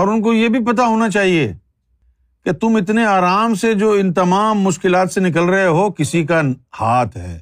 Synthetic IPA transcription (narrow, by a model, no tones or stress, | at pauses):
ɔːɾʊnk̬ojebʱipɐt̪̬aɦoːnat͡ʃaːɦie | ket̪ʊmɪt̪neaːɾaːmsed͡ʒoːɪnt̪ɐmaːmːʊʃkɪlaːt̪senɪk̬əlɾɐɦeɦokɪsik̬ahaːt̪ʰɦɛ̰ː